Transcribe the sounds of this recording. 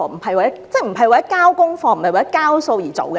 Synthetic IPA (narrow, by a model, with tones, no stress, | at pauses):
ɔ˨˧m̩˨˩hɐ˨jwa˨jɐ˥t͡sɛ˥˩m̩˨˩ɦɐ˨jwaː˨jɐ˥kaː˥wkʊ˥ŋfɔː˧ŋm̩˨˩˨ɐ˨jwaː˨˩˦kaː˥wso˧wjiː˨˩t͡so̰˨wkɛ˧